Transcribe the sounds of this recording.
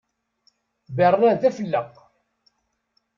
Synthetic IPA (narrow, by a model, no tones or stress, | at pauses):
bərːæθæfəlːəq